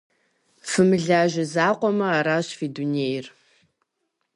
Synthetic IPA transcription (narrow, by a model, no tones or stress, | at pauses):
fɨmɨɮaːʒɐzaːqʷʼɔmɐaːɾaːɕfiːduneːjɪr